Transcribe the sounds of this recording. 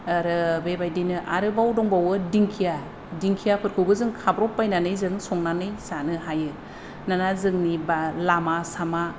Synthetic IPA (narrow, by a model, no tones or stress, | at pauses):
aɾɯbebajdinɯʔaɾɯbawdɔŋbawɯdiŋkʰija | diŋkʰijapʰɯɾkʰɯwbɯzɯŋkʰabɾɔpːajnanɯjzɯŋsɔŋnanɯjsanɯɦajɯ | nanazɯŋnibalamasama